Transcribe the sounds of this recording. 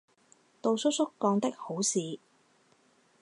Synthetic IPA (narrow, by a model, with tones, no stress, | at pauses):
t̪o˨˧wsʊ˥k̚sʊ˥kːɔː˨˧ŋt̪ɪ˥k̚ho˨˥wsiː˨˧